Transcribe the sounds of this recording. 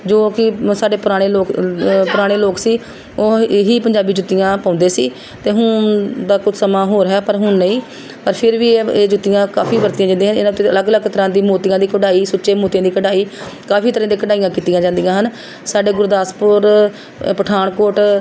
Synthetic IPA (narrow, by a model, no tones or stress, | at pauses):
d͡ʒoːkɪsaːɖeːpʊɾaːɽ̃eːloːkpʊɾaːɽ̃eːloːksiː | oːɦiːpəɲd͡ʒaːbiːd͡ʒʊt̪ːɪjãːpãːnd̪eːsḭː | t̪eːɦʊd̪aːkʊt͡ʃʰsəmaːɦoːɾɦɛːpəɾɦʊnnəĩː | pəɾpʰɪɾʋiːeeːd͡ʒʊt̪ːɪjãːkaːpʰiːʋəɾt̪ijãːd͡ʒãːd̪eːɦənɪnãːt̪ːeələɡələɡt̪əɾãːd̪iːmoːt̪ɪjãːd̪iːkəɖaːiːsʊt͡ʃʃeːmoːt̪ijãːd̪iːkəɖaːiːkaːpiːt̪əɾãːd̪iːkəɖaːijãːkiːt̪ijãːd͡ʒãːnd̪ijãːɦən | saːɖeːɡʊɾd̪aːspʊɾ | pəʈʰaːɳkoːʈ